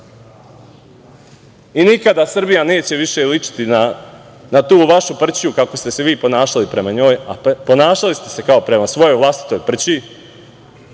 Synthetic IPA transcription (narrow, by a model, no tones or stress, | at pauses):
inikad̪asr̩bijane̞ːt͡ɕe̞ʋiʃe̞lit͡ʃi̥t̪ina | nat̪uːʋaʃupr̩t͡ɕijukako̞st̪eseʋiːpo̞naːʃalipɾe̞maɲo̞ːja̰po̞naːʃalist̪e̞se̞kaopɾe̞masʋo̞jo̞jʋlˠast̪i̥t̪o̞ːjpr̩t͡ɕi